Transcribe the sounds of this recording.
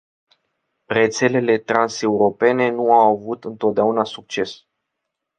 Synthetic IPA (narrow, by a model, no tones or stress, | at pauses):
re̞t̪se̞le̞le̞t̪ɾanse̞uɾo̞pe̞ne̞nuawavut̪ɨnt̪o̞t̪̚d̪eaunasuk̚t͡ʃe̞s